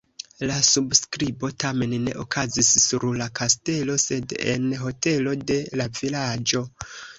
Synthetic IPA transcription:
lasubskɾibo̞tame̞nːe̞̰ʔokʰazisːuɾlakaste̞lo̞se̞de̞̰nɦo̞te̞lo̞de̞lavilad͡ʒo̞

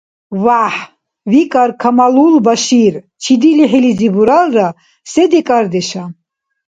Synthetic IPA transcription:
vaħ | vikʼaɾkʰamalulbaʃiɾ | t͡ʃʰid̪iliħilizibuɾalra | sɛd̪ɛkʼaɾd̪ɛʃa

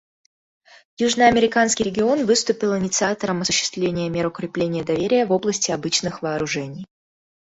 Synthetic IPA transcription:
juʐnəɐmʲɪɾʲɪkanskʲɪjɾʲɪɡʲɪo̞nvɨst̪ʊpʲɪlˠɪnʲɪt̪sɨat̪əɾəmɐsʊɕːɪ̥st̪vlʲenʲɪjəmʲeɾəʊkɾʲɪplʲenʲɪjəd̪ɐvʲeɾʲɪjəvo̞blˠəsʲtʲɪɐbɨt͡ɕnɨxvɐːɾʊʐɛnʲɪj

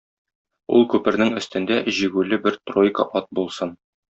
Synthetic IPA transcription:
ṵlˠkʉpɘ̆ɾnɘŋɘ̆st̪ɘ̆nd̪æʑiɡʉlɘbɘɾt̪rojkə̰ʔɒt̪̚bulˠsɤn

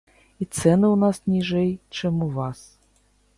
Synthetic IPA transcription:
it̪sɛnɨunasnʲiʐɛjt͡ʂɛmuvas

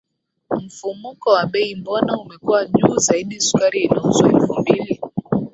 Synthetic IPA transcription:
m̩fumukɔwaɓɛimbɔnaumɛkuwaʄuːzaiɗisu̥kaɾiɛnuzɔɛlfumbili

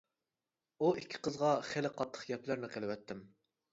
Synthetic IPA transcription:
uikʲʰːi̥qəzʁɑχelɪqʰɑt̪ʰːə̥χjɛplæɾnɪqʰelˠɪwɛt̪ʰːɪm

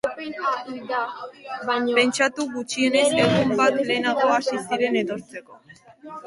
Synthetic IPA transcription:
pe̞nt͡ʃat̪uɣut͡ʃie̞ne̞zbeɣumbat̪le̞ːnaɣo̞asisiɾe̞ne̞t̪o̞ɾt͡se̞ko̞

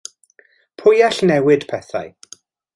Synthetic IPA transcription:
pʰʊjaɬnɛwɪd̥pʰɛθa̰j

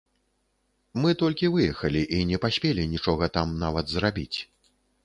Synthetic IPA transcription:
mɨt̪ɔlʲkʲivɨjɛxɐlʲiʔinʲɛpasʲpʲelʲinʲit͡ʂɔɣɐt̪amnavɐd̪zrabʲit͡sʲ

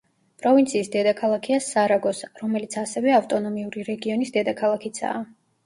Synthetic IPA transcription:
pʼɾɔvint̪sʰiːsd̪ɛd̪akʰalˠakʰiasaɾaɡɔsɾɔmɛlit̪sʰasɛvɛaft̪ʼɔnɔmiuɾiɾɛɡiɔnisd̪ɛd̪akʰalˠakʰit̪sʰa̰ː

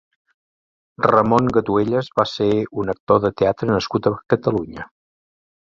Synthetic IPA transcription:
rəmoŋɡət̪ueʎəzβaseunək̚t̪oðət̪eat̪ɾənəskut̪əkət̪əluɲə

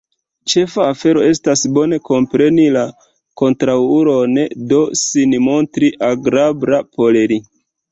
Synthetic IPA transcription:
t͡ʃe̞faːfe̞ɾo̞e̞stasbo̞ne̞ko̞mpɾe̞nila | ko̞ntɾawuɾo̞ndo̞sinmo̞ntɾiʔaɡɾabɾapo̞leɾi

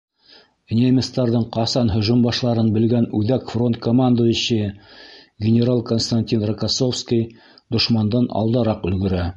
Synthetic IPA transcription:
nʲɪamʲɪst̪ɑɾðɤɴqɑsɑnɦɵ̆ʒumbɑʃlˠɑɾɤnbɘ̆lɡænʉðækfro̞nt̪̚komand̪ojŏɕɘ | ɡʲɪnʲeɾalˠkonst̪anʲtʲinrakasofskʲij | d̪ŏʃmɑnd̪ɑnɑ̰lˠd̪ɑɾɑqɵ̆lɡɘ̆ɾæ

